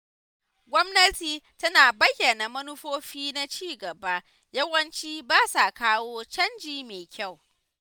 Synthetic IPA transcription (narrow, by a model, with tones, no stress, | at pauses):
ɡʷɔ˦mnɐ˦tiː˨tɐ˦naː˨bɐ˦jːɐ˨naː˨mɐ˦nʊ˦ɸoː˦ɸiː˦na˦t͡ʃiː˦˨ɡɐ˨ba˦ | jɐ˦wɐ˦nt͡ʃiː˦baː˦sa˨kaː˦woː˦t͡ʃɐ˦nd͡ʒiː˦meː˨kʲa˦˨w